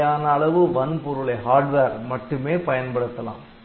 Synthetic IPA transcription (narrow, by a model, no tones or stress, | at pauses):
aːnɐːɭɐʋɯʋɐnpɔɾɯɭɐɦaːɾɖʋeːɾmɐʈːɯmeːpɐjɐnpɐɽɯt̪ːɐlã̰ːm